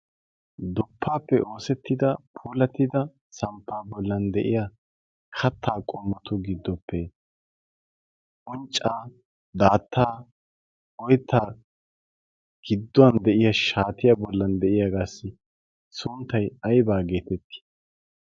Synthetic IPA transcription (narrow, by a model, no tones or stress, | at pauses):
d̪ʊpːaːpːɛʔo̞ːsɛt̪ːɪd̪ɐpʰuːlɐt̪ːɪd̪ɐ | sɐmpːaːbɔlːɐnd̪ɛʔɪja | kʰɐt̪ʰːaːkʼɔmːɔt̪ʊɡɪd̪ːɔpːɛ | ʔɔnt͡ʃʼːaː | d̪aːt̪ːaː | ɔjt̪ːaː | ɡ̥ɪd̪ːɔwɐnd̪ɛʔɪjɐʃaːt̪ɪjabɔlːɐnd̪ɛʔɪjaɡaːsːɪ | sʊnt̪ːɐjɐjbaːɡe̞ːt̪ɛt̪ːɪ̥